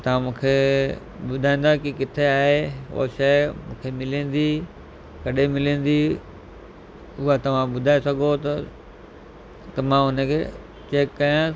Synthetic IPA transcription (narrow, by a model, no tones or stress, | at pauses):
t̪ɐʋ̤ãmũːkʰe | ɓʊd̪ʱaːĩːn̆d̪akikɪt̪ʰeaːɦeo̰ːʃɐɪmṵ̃ːkʰemɪlĩːn̆d̪i | kɐɗemɪlẽːn̆d̪i | ʊɦat̪ɐʋ̤ãɓʊd̪ʱaːesɐɡʱot̪ɐ | t̪ɐmãːʊnə̆kʰeː | t͡ɕeːkːɐjã